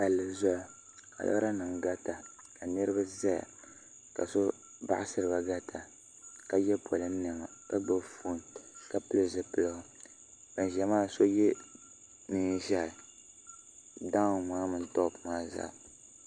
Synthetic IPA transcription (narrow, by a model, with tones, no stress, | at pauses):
ka˨lːɨ˨zɔ˦ja˨ | ka̰˨la̰˦ɾa˦nɨ˨mɡa˦ta˨ | ka˨nɨ˦ɾɨ˦ba˦za˦ja̰˨ | ka̰˨so˦ | ba̰˦ʔɪ˦sɨ˦ɾɨ˨ba˨ɡa˦tʰa˨ | ka˦jɛ˦pʰɔ˨lɨ˦n̩˦nɨ˨ŋa˨ka˦ɡ͡bɨ˦fuː˦nka˦pɨ˦lɨ˦zɨ˨pɨ˦lɨ˨ɡɨ˨ | ba˨n˨ʒɛ˨maː˦˨so˦jɛ˦ | nɨ˨˦ʒɛ˦˨ | da˦˨ma˨˦mɨ˨n̩˦tɔ˦˨pɨ˨maː˦za̰˦˨